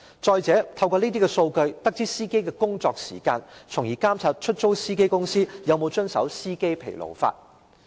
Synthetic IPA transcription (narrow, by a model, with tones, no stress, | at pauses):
t͡sɔː˧jt͡sɛː˨˥t̪ʰɐ˧wkɔː˧niː˥t̪̬iː˥kɛ˧so˧wkɵ˧ɥt̪ɐ˥k̚t͡siː˥siː˥ke˥jkɛː˧kʊ˥ŋt͡sɔː˧k̚sḭː˨˩kaː˧nt͡sʰʊ˨˩ŋjiː˨˩kaː˥mt͡sʰaː˧t̚t͡ʃʰɵ˥t̚t͡so˥wsiː˥ke˥jkʊ˥ŋsiː˥jɐ˨˧wmo˨˧wt͡ʃɵ˥nsɐ̰˨˥wsiː˥ke˥jpʰe˨˩jlo̰˨˩wfa̰ː˧t̚